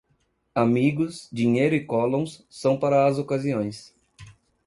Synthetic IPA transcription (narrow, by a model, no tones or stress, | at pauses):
amiɡʊsd͡ʒiɲejɾʊɪkɔlõw̃sːɐ̃w̃paɾɐːzokaziõj̃s